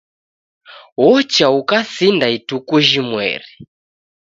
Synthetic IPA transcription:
ɦɔt͡ʃaukasindaitukuʒimwɛ̰ːri

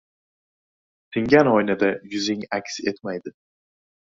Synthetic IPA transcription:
t̪ʰɪŋɡʲanojnad̪ajʊzɪŋakʲset̪majd̪ɪ

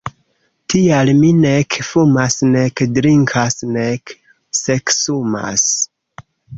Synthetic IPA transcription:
tʰialminekfumasne̞kdɾiŋkʰasnek | seksuma̰s

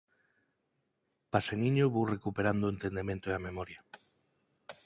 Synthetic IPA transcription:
pasenĩɲoβowrekupeɾand̪oʊent̪end̪emẽnt̪oeamemɔɾjɐ

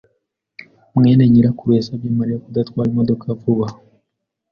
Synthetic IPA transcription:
mŋeːneɲiɾakuɾwe̞ːsabjiːmaɾijakud̪atkwaːɾimodo̞kʰavuβa

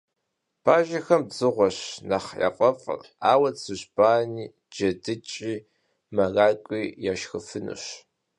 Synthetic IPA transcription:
pʰaːʒɐxɐmbz̥ɨʁʷɔɕnɐχjɐ̰qʼɐfʼr | aːwɐsɨʑb̥aːniː | d͡ʒɐdɨt͡ʃʼiː | mɐraːkʷʼiːjaʃxɨfɨnɨ̰ɕ

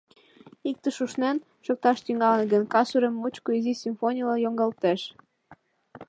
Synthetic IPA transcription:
ik̚t̪əʃuʃnen | ʃok̚t̪ɑʃt̪yŋɑlənɡənkɑsuɾəmːut͡ɕkoizisʲymfonʲilɑjoŋɡɑlt̪eʃ

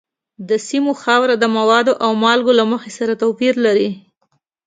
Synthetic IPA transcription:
d̪əsimoxɑwɾad̪əmawɑd̪oʔawmɑlɡolaməxesaɾat̪apiɾlaɾi

